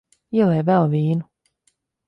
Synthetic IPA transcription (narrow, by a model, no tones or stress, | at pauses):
iɛlˠɛjvɛlˠviːnu